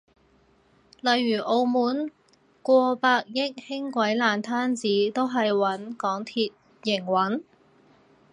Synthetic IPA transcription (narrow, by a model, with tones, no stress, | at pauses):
lɐ˨jːyː˨˩ʔo˧wmuː˨˥n | kʷɔː˧paː˧k̚jɪ˥k̚hɪ˥ŋkʷɐ˨˥jlaː˨nt̪ʰaː˥nt͡siː˨˥t̪o˥wɦɐ˨jwɐ˨˥nkɔː˨˥ŋt̪ʰiː˧t̚ | jɪ˨˩ŋwɐ˨˥n